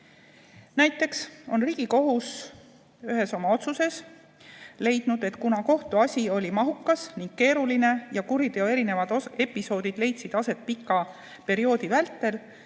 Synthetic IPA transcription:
næjt̪ˑːe̞kso̞nriːɡ̥iko̞ɦus | yɦe̞so̞mɑo̞t̪suse̞s | le̞jd̪̥nud̪̥e̞t̪kunɑko̞ht̪uɑsʲio̞lʲimɑɦukːˑɑsniŋɡ̥ke̞ːɾuline̞jɑkuɾid̪e̞oe̞ɾine̞vɑd̪oe̞pːˑiso̞ːd̪id̪̥le̞jt̪sid̪̥ɑse̞t̪̚pikːˑɑ | pe̞ɾio̞ːd̪ivælt̪ːˑe̞l

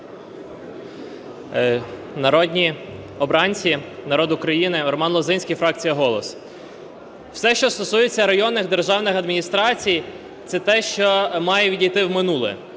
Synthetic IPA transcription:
nɐɾɔd̪ʲnʲi | ɔbɾɑnʲt͡sʲinɐɾɔd̪ʊkɾɐjinɪɾɔmɑnlˠɔzɪnʲsʲkʲijfɾɑk̚t͡sʲijɐɦɔlˠɔs | wsɛʃt͡ʃɔst̪ɔsujet͡sʲːɐɾɐjɔnːɪɣd̪erʒɑwnɪxɐd̪mʲinʲist̪ɾɑt͡sʲij | t̪sɛt̪ɛʃt͡ʃɔmɑjɛʋʲidʲijt̪ɪwmɪnulˠɛ̰

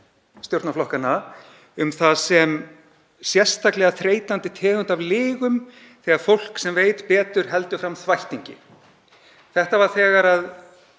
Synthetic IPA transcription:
st̪joɾt̪naflɔhkana | ʏmθasɛm | sjɛr̥st̪aklɛɣaθɾeːjt̪ant̪ɪt̪ʰɛːɣʏnt̪avlɪːɣʏm | θɛɣaɾ̥fowl̥ksɛmveːjt̪pɛːt̪ʏɾ̥ɦɛlt̪ʏfɾamθvajht̪iɲcɪ̰ | θɛht̪avaɾ̥θɛːɣaɾað

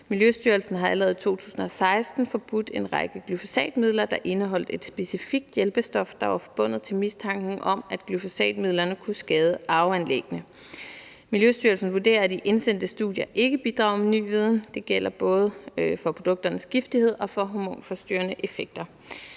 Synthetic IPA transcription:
miljøsd̥yːɐlsn̩ɦɑ̈ælɐʁɛð̞̩ˠit͡sʰo̝̰ːt͡sʰṵːsn̩ɒ̽sɑ̈ɪsd̥n̩fɒ̽b̥ud̥e̝nʁɑ̈ɡ̥əɡ̥lyfo̝̥sɛ̰ːd̥miðˠlɐd̥ɑ̈ʔe̝nəɦɒ̽l̰d̥e̝d̥sb̥e̝sifiɡ̥̚d̥jelb̥əsd̥ɒ̽fd̥ɑ̈ʋɑ̈fɒ̽b̥ɔ̽n̰ð̞̩ˠt͡sʰe̝lmist͡sʰɑ̈ŋ̰ɡ̥n̩ʔɒ̽mæd̥ɡ̥lyfo̝sɛ̰ːd̥mið̞̰ˠlɐnəkʰusɡ̥ɛːð̞ˠəʔɑ̈ʊænleɡ̥ənə | miljøsd̥yɐlsn̩ʋuɐd̥e̝̰ːɐd̥iʔe̝nsen̰d̥əsd̥uðˠjɐʔe̝ɡ̥əb̥id̥ʁɑ̈ʊ̰meny̰ːʋið̞ˠn̩d̥e̝ɡ̥el̰ɐb̥ɔ̽ːð̞ˠəfɒ̽pʰʁo̝d̥ɔ̽ɡ̥̚d̥ɐnəsɡ̥ifd̥ihe̝ð̞̰ˠɒ̽fɒ̽ɦomo̝̰ːnfɒ̽sd̥y̰ːɐnəʔe̝feɡ̥̚d̥ɐ

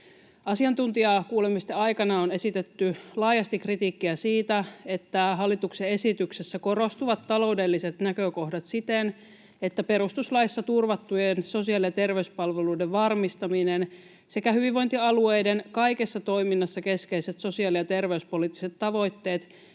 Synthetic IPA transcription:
ɑsiɑnt̪unt̪iɑkuːlemist̪eɑjkɑnɑone̞sit̪e̞t̪ːylɑːjɑst̪ikrit̪iːkːiæsiːt̪æe̞t̪ːæɦɑlːit̪uksee̞sit̪yksesːæko̞ɾo̞st̪uʋɑt̪ːɑlo̞ude̞lːise̞t̪nækøko̞hdɑt̪sit̪en | e̞t̪ːæpe̞ɾust̪uslɑisːɑt̪urʋɑt̪ːujenso̞siɑlijɑt̪e̞rʋeyspɑlʋeluːdeʋʋɑrmist̪ɑminen | se̞kæhyʋiʋʋo̞jnt̪iɑlue̞jdenkɑjke̞sːɑt̪o̞jminːɑsːɑke̞ske̞iset̪so̞siɑlijɑt̪e̞rʋe̞yspo̞liːt̪ːi̥se̞t̪ːɑʋo̞jt̪ːe̞ːt̪

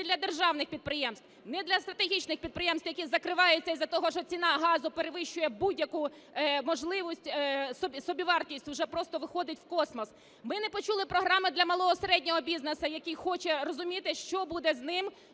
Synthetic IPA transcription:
d̪lʲɐd̪erʒɑwnɪxpʲid̪̚pɾɪjɛmst̪ | nɛd̪lʲɐst̪ɾɐt̪eɦʲit͡ʃnɪxpʲid̪̚pɾɪjɛmst̪ʋjɐkʲizɐkɾɪʋɑjʊt͡sʲːɐizɐt̪ɔɦɔʃt͡ʃɔt͡sʲinɑɦɑzʊpeɾeʋɪʃt͡ʃʊjɛbudʲjɐku | mɔʒlˠɪʋisʲtʲsɔbʲsɔbʲiʋɑrtʲisʲtʲwʒɛpɾɔst̪ɔʋɪxɔd̪ɪtʲwkɔsmɔs | mɪnɛpɔt͡ʃulˠɪpɾɔɦɾɑmɪd̪lʲɐmɐlˠɔɔseɾɛdʲnʲɔɦɔbʲiznesɐjɐkijxɔt͡ʃɛrɔzʊmʲit̪ɪʃt͡ʃɔbud̪ɛznɪm

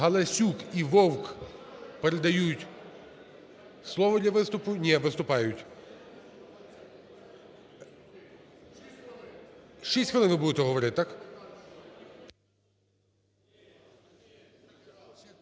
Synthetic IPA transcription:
ɦɐlˠɐsʲukiʋɔwk | peɾed̪ɐjutʲ | slˠɔʋɔd̪ʲlʲɐʋɪst̪ʊpʊnʲɛʋɪst̪ʊpɑjʊtʲ | ʃt͡ʃisʲkɔlˠɪnʋɪbud̪et̪ɛɦɔʋɔɾɪt̪̚ʲt̪ːɑk

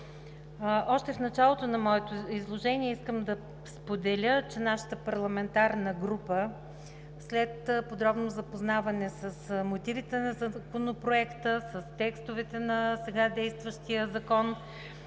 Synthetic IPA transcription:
ʔɔʃt̪ɛfnɐt͡ʃalˠot̪onɐmɔɛt̪oizlˠoʒɛniɛiskəmd̪ɐ | spod̪ɛlʲət͡ʃɛnaʃə̥t̪əpɐɾlˠɐmɛnt̪aɾnəɡɾupə | slɛt̪pod̪ɾɔbnozɐpoznavɐnɛsəsmot̪ivit̪ɛnɐzɐkonopɾoɛkt̪əsəst̪ɛkst̪ovɛt̪ɛnɐsɛɡad̪ɛjst̪vəʃt̪iəzɐkɔn

